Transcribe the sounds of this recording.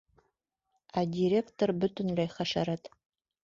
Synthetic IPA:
adʲiɾʲektʰorbɨtʰɨnlæjχɐʃɐɾɐtʰ

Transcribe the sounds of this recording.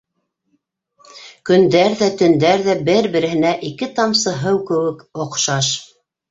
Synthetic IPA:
kɵ̆nd̪æɾðæt̪ɵ̆nd̪æɾðæbɘɾbɘ̆ɾɘ̆ɦɘ̆næʔikɘt̪ɑmsɤ̆ɦɤwkɘ̆wɘkŏqʃɑʃ

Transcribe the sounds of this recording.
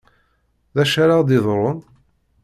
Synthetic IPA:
ðæʃaɾaʁd̪ɪðˤɾˤon

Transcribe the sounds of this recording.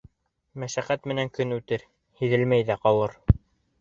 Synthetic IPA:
mæʃæqæt̪mɘ̆næŋkɵnʉt̪ɘɾ | hiðɘlmæjðæqɑlˠɤɾ

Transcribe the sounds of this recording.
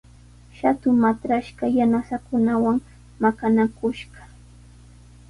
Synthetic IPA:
ʃat̪ʊmat̪ɾaʃɢɑjanasakʊnawaŋ | makanakʊʃɢɑ̥

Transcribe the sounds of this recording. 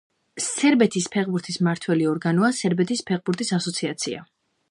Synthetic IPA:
sɛɾbɛt̪ʰispʰɛʁbuɾt̪ʰismaɾt̪ʰwɛliɔɾɡanɔasɛɾbɛt̪ʰispʰɛʁbuɾt̪ʰisasɔt̪sʰiat̪sʰia̰

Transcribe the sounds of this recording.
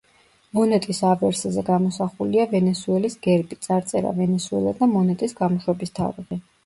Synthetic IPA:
mɔnɛt̪ʼisavɛɾsazɛɡamɔsaχuliavɛnɛsuɛlisɡ̥ɛɾbit̪sʼaɾt̪sʼɛɾa̰vɛnɛsuɛ̰lˠad̪amɔnɛt̪ʼisɡamɔʃwɛbist̪ʰa̰ɾiʁi

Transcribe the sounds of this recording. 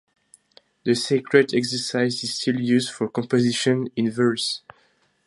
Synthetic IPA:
ðəsekʰɹɛdɛksə˞saɪziz̥stʰiljuzdfɔkɔ̃mpoziʃɔ̃nĩnvɜ˞s

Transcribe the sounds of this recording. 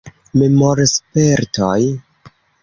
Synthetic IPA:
memoɾspeɾtoj

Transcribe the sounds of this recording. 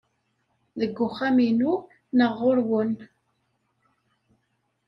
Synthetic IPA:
ðəɡːʊχːaminu | nəʁːoɾwən

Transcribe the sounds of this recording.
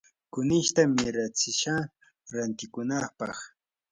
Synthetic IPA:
kʊnɪʃt̪amɪɾat͡sɪʃa | ɾant̪ɪkʊnɑpɑχ

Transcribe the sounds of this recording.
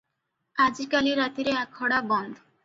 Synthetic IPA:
ad͡ʑikaliɾat̪iɾeɛkʰːɔɽabɔnd̪ʱo

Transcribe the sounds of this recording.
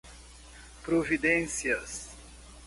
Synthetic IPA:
pɾovid̪ẽnsiɐs

